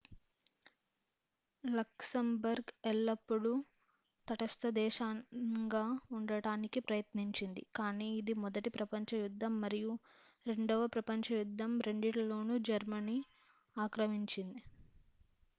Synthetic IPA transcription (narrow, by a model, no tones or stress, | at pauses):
lɐksɐmbɐɾɡɛlːɐpːuɽu | t̪ɐʈɐst̪ɐd̪ɛːʃaːŋɡaːuɳɖɐɽaːnikipɾɐjɐt̪niɲt͡ʃind̪ḭkaːniːid̪imɔd̪ɐʈipɾɐpɐɲt͡ʃɐjud̪ʱːɐmːɐɾiju | ɾe̞ɳɖɐʋɐpɾɐpɐɲt͡ʃɐjud̪ʱːɐmɾeɳɖiʈɐlo̞ːnud͡ʒɐɾmɐni | aːkɾɐmiɲt͡ʃind̪i